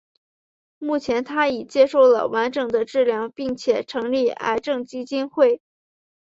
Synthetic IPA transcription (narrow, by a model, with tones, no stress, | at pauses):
mu˥˩t͡ɕʰjɛ˧˥nt̪ʰa˥i˨˩t͡ɕjɛ˥ʂo˥˩ʊlə̰˩wa˧˥nʈ͡ʂɤ˨˩ŋd̪ə˦ʈ͡ʂɻ̩˥˩ljɑ˥˧ʊpi˥˩ŋt͡ɕʰjɛ˨˩ʈ͡ʂʰɤ˧˥ŋli˥˩a̰˧˥ɪʈ͡ʂɤ˥˩ŋt͡ɕi˥t͡ɕi˥nxwe˥˩ɪ